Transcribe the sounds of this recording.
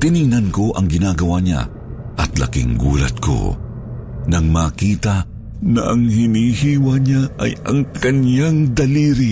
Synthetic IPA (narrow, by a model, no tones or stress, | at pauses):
t̪ɪniŋnɐnko̞ʔɐŋɡɪnaːɡɐwaɲa̰ | ʔɐt̪lɐ̰kɪ̰ŋɡṵːlɐ̰t̪̚kʰo̰ | nɐŋmaːkiːt̪ɐ | nɐʔɐŋhɪnihiːwɐɲaʔɐjɐŋkɐnjaŋd̪ɐliːɾi